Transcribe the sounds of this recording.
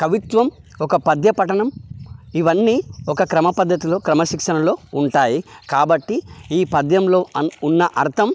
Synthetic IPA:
kɐʋit̪ʋɐm | ɔkɐpɐd̪jɐpɐʈɐɳɐmiʋɐnːiːɔkɐkɾɐmɐpɐd̪ʱːɐt̪ilo̞ːkɾɐmɐʃikʂɐnɐlo̞ːuɳʈaːjikaːbɐʈːiiːpɐd̪jɐmlo̞ːunːɐʔɐɾt̪ʰɐm

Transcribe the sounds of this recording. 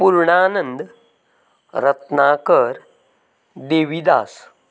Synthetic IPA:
puɾɳaːnənd̪ | ɾət̪nakəɾ | d̪eʋid̪a̰ːs

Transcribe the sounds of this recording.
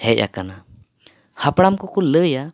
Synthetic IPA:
hɛʔ̚ˀa̰kana | hapɽamkɔkɔləja

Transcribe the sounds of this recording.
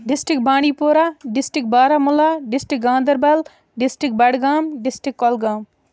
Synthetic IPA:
ɖɪsʈɪkbaːɽ̃iːpoːɾaːɖɪsʈɪk̚baːɾamʊlaːɖɪsʈɪk̚ɡãːnd̪əɾbɐl | ɖɪsʈɾɪk̚bɐɽɡaːmɖɪsʈɪkːɔːlɡaːm

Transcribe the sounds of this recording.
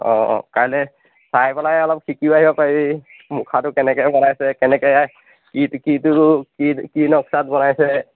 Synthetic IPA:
ɔ̰̃kaɹɔnɛ | sajpɛlajɔlɔp̚kʰikibaɦibɔpaɹii | mʊkʰatʊkɛnɛkɛjbɔnajsɛkɛnɛkɔja | kitkitʊkikinɔksatbɔnajsɛ

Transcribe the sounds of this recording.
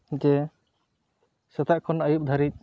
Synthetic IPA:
d͡ʒɛ | sɛt̪aʔkʰɔnajup̚d̪ʱaɾic̚

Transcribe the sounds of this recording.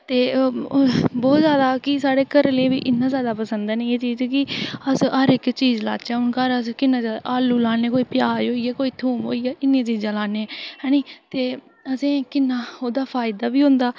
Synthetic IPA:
t̪eː | bɔːt̪zjaːd̪aːkɪsaːɽeːkəɾleːʋḭːʔɪnːãːzjaːd̪aːpəsənd̪ɛːneeːt͡ʃiːzkɪəsɦəɾɪkt͡ʃiːd͡ʒla̰ːt͡ʃɛːʊnkaɾəskɪnːãːd͡ʒaːluːlaːnẽːkoːiːpɪjaːd͡ʒɦoːiːɛːkoːiːt̪ʰuːmɦo̰ːijɛːɪnːẽːt͡ʃiːzãːlaːneːɦɛːniːt̪eː | əsẽːkɪnːaːoːd̪aːpʰaːɪd̪aːbiːɦʊ̃nd̪aː

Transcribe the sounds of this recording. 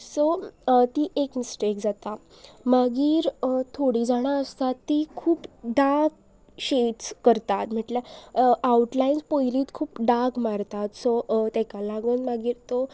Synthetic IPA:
sɔt̪iːʔekmisʈekd͡zat̪a | maɡiːɾt̪ʰoɽiːd͡zaɽ̃aəst̪at̪ːikʰuːpɖaɡ̚ | ɕeʈskəɾt̪at̪m̤əʈlaauʈlajinspəjliːt̪kʰuːpɖaɡmaɾt̪at̪sot̪ɛkalaɡənmaɡiːɾt̪o

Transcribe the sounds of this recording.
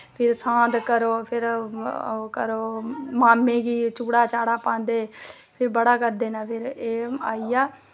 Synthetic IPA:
pʰɪɾsãːd̪kəɾoːpʰɪɾ | kəɾoːmaːmːẽːɡiːt͡ʃuːɽaːt͡ʃaːɽaːpãːnd̪eː | pʰɪɾbəɽaːkəɾd̪eːnaːpʰɪɾeːaːiːaː

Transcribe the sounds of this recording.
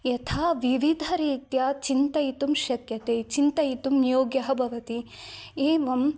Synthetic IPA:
jɐt̪ʰaːʋiʋid̪ʱɐɾiːt̪jɐt͡ʃint̪ɐit̪umʃɐkjɐt̪eːt͡ʃint̪ɐit̪umnijoːɡjɐɦɐbʱɐʋɐt̪ieːʋɐm

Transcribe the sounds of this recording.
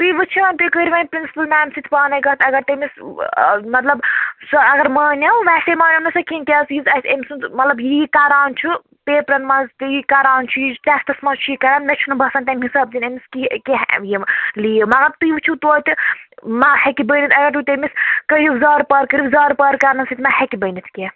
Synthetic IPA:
t̪ujʋɨt͡ʃʰiʋɐnʲt̪ukəɾʲiʋɐːnʲpɾinsi̥pɐlmaːmʲsit̪ʰʲpaːnɐjɡɐːt̪ɐɡɐɾt̪emis | mɐt̪lɐbsɐɡɐɾmaːnʲɐwʋɛsʲemaːnʲɐnɐsɐkink̪ʲaːzjizɐt̪emsunt̪mɐt̪lɐbjiikaɾaːnt͡ʃʰu | peːpɾɐnmɐnzt̪ɨjikaɾaːnt͡ʃʰujitɛst̪ɐsmɐzt͡ʃʰujikɐɾaːnmʲɛt͡ʃʰunubʱɐsɐnt̪ɐmɦisɐːb̚d͡ʒ̪inemiskikʲeɦjiliːmɐt̪ɐb̚t̪ujiʋt͡ʃʰut̪oːt̪ɨmahɐkibəːnit̪ʰʲɐɡɐɾt̪ut̪emiskəjiʋzaːɾpɐːɾkəɾiʋzaːɾpɐɾkɐɾnɐnsit̪ʰʲmahɛkibənit̪ʰkʲe

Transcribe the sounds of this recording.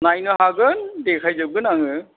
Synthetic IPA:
najnɯɦaɡɯndekʰajzɯb̚ɡɯnaŋɯ

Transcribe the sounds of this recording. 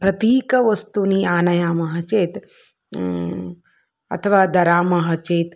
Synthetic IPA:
pɾɐt̪iːkɐʋɐst̪uniːaːnɐjaːmɐɦɐt͡ʃeːt̪ | ɐ̰t̪ʰɐʋaːd̪ɐɾaːmɐɦɐt͡ʃeːt̪

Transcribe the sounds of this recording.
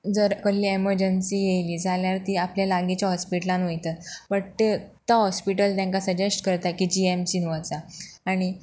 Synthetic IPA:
d͡zəɾkəɾliːeməɾd͡ʑənsiːjejliːd͡zʱaljaɾt̪iːapljalaɡit͡ɕjaɦɔspiʈlãnʋojt̪əpəɽt̪et̪aɦɔspiʈəlt̪jãŋkasəd͡ʑesʈkəɾt̪akiːd͡ʑiemsinʋat͡saaɽ̃i

